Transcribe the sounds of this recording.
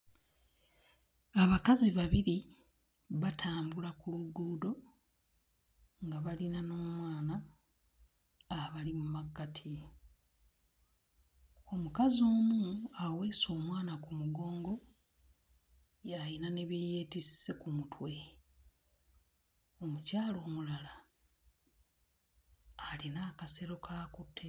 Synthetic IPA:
aβakaziβaβiɾi | βatʰaːmbulakuluduːdo̞ | ŋɡaβalinano̞ːmwaːna | βalimumaɡːatʰi | omukazo̞ːmuaweːso̞ːmwaːnakumuɡo̞ːŋɡo̞ | jajinane̞βijeːtissekumutwe̞ | o̞mucaːlo̞ːmulala | linaːkase̞ɾo̞kʰakutʰːe

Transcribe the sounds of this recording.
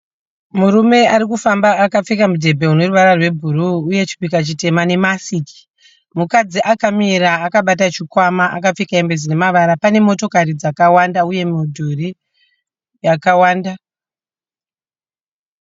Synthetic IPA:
muɾume̞aɾikufambaːkap͡fikamudʱe̞bʱe̞uno̞ruʋaɾarwe̞bʱuruːje̞t͡ʃi̥kwikat͡ʃite̞mane̞masiki̥ | mukad͡ziʔakamiɾaːkaɓat̬at͡ʃikwamaʔa̰kap͡fikaembed͡zine̞maʋaɾapane̞mo̞to̞karid͡zakawandauje̞midʱuri | jakawaːnda

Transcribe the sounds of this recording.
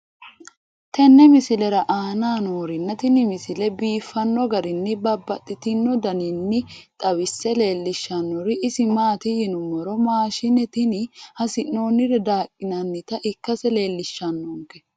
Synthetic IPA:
t̪ɛnːɛmɪsɪlɛɾɐʔaːnaːnoːɾɪnːɐt̪ɪnɪmɪsɪlɛbiːfːɐnːɔɡɐɾɪnːɪbɐbːɐt̪ʼːɪt̪ɪnːɔd̪ɐnɪnːɪt̪ʼɐwɪsːɛle̞ːlːɪʃːɐnːɔɾɪʔɪsɪmaːt̪ɪjɪnʊmɔɾɔmaːʃɪnːɛt̪ɪnɪhɐsɪnːoːnɪɾɛd̪aːkʼːɪnɐnːɪt̪ɐʔɪkːɐsɛle̞ːlːɪʃːɐnːɔŋkɛ

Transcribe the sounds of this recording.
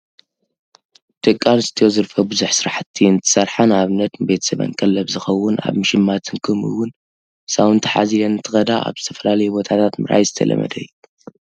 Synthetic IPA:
t̪ʰʼɨkʼːalɨst̪ʰijo̞zɨɾfɐbɨzuħsɨɾaħt̪ʰːiɨnt̪ʰɨ̥sɐɾħanaβɨnɐt̪nɨbe̞t̪ʰɐ̥sɐβa̰ŋkʼɐlːɐβzɨxɐwːʊna̰βmɨʃɪmːat̪ʰɨnkʰɨmɨ̰wːʊn | sawɨnt̪ʰɨ̥ħa̰zilɐnɨt̪ʰɨxɐd̪a̰a̰βzɨt̪ʰɐ̥fɐlalɐjubot̪ʰat̪ʰat̪mɨ̰ɾʔa̰jzɨt̪ʰɐ̰lɐ̰mɐ̰d̪ɐjːu

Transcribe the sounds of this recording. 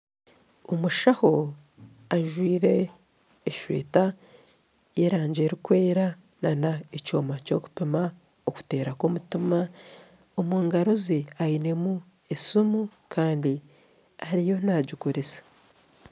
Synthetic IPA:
omuʃaho̞ | aʒwiːɾe̞ː | ʃwḛːta | jeɾaːɲɟe̞ɾikweːɾa | nanaeco̞maco̞ku̥pima | oku̥te̞ːɾakomutima | omuːŋɡaɾoziaine̞mu | esumukʰaːndi | aɾijo̞naːɟikuɾesḁ

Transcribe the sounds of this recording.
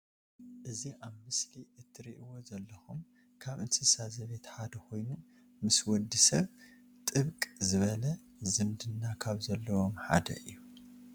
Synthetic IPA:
ʔɨziʔaβmɨsliʔɨt̪ʰːɨɾiʔiwo̞zɐlːɐxum | kʰaβɨnsɨsazɐβet̪ħad̪ɐkʰo̞jnu | mɨswɔd̪ːisɐβ | t̪ʼɨβkʼzɨβɐlɐ | zɨmd̪ɨnːakʰaβzɐlːɐwomħa̰d̪ɐ̰ʔɨjːu

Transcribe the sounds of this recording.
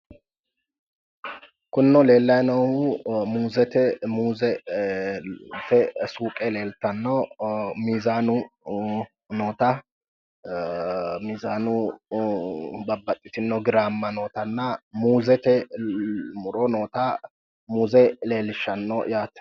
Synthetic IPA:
kʊnːɔle̞ːlːɐjnɔʊmuːzɛt̪ɛmuːzɛ | t̪ɛsuːkʼɛle̞ːlt̪ɐnːɔmiːzaːnʊ | noːt̪ɐ | miːzaːnʊ | bɐbːɐt̪ʼːɪt̪ɪnːɔɡɪɾaːmːɐnoːt̪ɐnːɐmuːzɛt̪ɛ | mʊɾɔnoːt̪ɐ | muːzɛle̞ːlɪʃːɐnːɔjaːt̪

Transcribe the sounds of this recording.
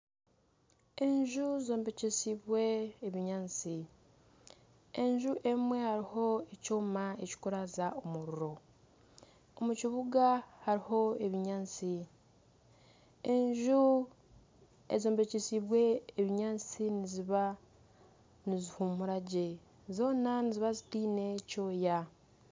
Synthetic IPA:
e̞ɲʒuzo̞ːmbe̞cesiβwe̞ːβiɲaːt͡si | e̞ɲʒuʔe̞mwe̞haɾiho̞ecoːmaeci̥kuɾazaʔomuɾuɾo̞ | omuciβuɡahaɾiho̞e̞βiɲaːnt͡si | e̞ɲʒu | ḛzoːmbecisiβwe̞ːβiɲaːnt͡siniziβa | nizihumuɾaɟe | zo̞ːnaniziβazitiːne̞co̞ːja

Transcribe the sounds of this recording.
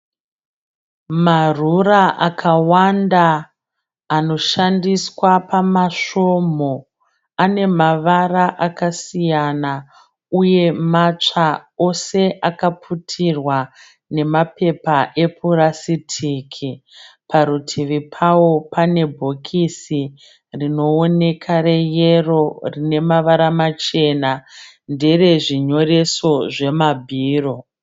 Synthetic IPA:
maruraʔakʰawandaː | no̞ʃandiswapamaʂo̞mo̞ | ane̞maʋaraʔakasijana | uje̞mat͡ʂao̞se̞ʔakapʰutʰirwa | ne̞mape̞paʔe̞pʰurasitʰiːkʰipʰaɾutʰiʋipʰawo̞pane̞bʱo̞kʰisi | rino̞ːne̞kʰaɾe̞jero̞rine̞maʋaɾamat͡ʃe̞na | nde̞re̞ʐiɲo̞ɾe̞so̞ʐe̞mabʱiːro̞

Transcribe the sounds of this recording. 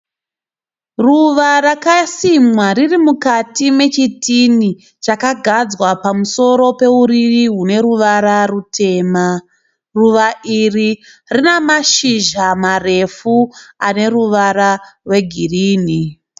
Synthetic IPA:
ruʋarakasimwaririmukatime̞t͡ʃitini | t͡ʃakaɡʱad͡zwapamuso̞ɾo̞pe̞uɾiʋiɦune̞ɾuʋaɾarutʰe̞ːma | ruʋaʔiri | rinemaʃiʒamare̞fuane̞ruʋaɾarwe̞ɡʱiriːni

